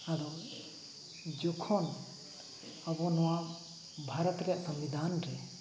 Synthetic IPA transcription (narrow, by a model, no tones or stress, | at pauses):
ad̪ɔ | d͡ʒɔkʰɔn | abɔnɔwa | bʱaɾɔt̪ɾɛʔsɐmbid̪ʱanɾɛ